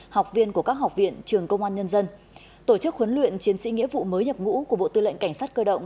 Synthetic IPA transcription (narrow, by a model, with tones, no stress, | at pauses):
ha˨˩wk͡p̚vi˧ənku˧˩əkaː˦˥k̚ɦa˨˩wk͡p̚vḭ˧˨ənt͡ɕɨ˨˩əŋkə˧wŋ͡mʔaː˧nɲə˧nzə˧n | t̪o˧˩t͡ɕɨ˦˥k̚wə˨˦nlwḭ˧˨ənt͡ɕi˨˦ənsḭ˧˥ŋi˧˥əvṵ˧˨məː˨˦jɲə˨˩p̚ŋṵ˧˥ku˧˩əɓo̰˧˨t̪ɨ˧lə̰˧˨ŋka˧˩jŋ̟saː˦˥t̚kəː˧ɗə̰˧˨wŋ͡m